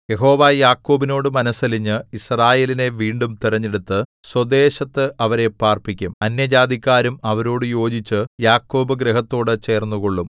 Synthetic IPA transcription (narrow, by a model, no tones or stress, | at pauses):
je̞ɦo̞ːʋaːjaːkːo̞ːbino̞ːɽɨmɐnɐsɐliɲːɨisraːje̞ːline̞ʋiːɳɖumt̪irɐɲːeɽut̪ːɨswɐd̪e̞ːɕɐt̪ːɨʔɐʋɐɾe̞paːrpikʲːumɐnjɐd͡ʑaːd̪ikʲːaːɾumɐʋɐɾo̞ːɽɨjo̞ːd͡ʑit͡ɕːɨjaːkːo̞ːbɨɡɾeɦɐt̪ːo̞ːɽɨt͡ɕe̞ːrnːuɣo̞ɭːum